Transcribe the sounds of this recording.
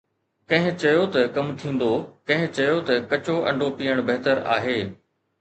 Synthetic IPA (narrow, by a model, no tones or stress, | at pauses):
kɐ̃ɦɪ̃t͡ɕɐjot̪ɐkɐmt̪ʰĩːn̆d̪okɐ̃ɦɪ̃t͡ɕɐjot̪ɐkɐt͡ɕoʔɐ̰̃ɳɖʱopiːəɽ̃bɐɦɪt̪əɾa̰ːɦeː